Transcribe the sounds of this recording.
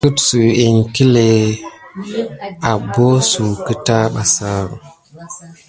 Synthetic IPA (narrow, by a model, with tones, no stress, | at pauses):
ku˦tsu˨e˨nki˦le˨ | a˨bo˦su˨kə˦ta˦ɓa˨sa˦ɾu˨